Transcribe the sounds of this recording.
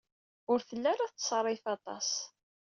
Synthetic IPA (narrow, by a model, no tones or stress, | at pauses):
ʊɾθəlːæɾaθsˤrˤːɪfɑt̪ˤɑ̰s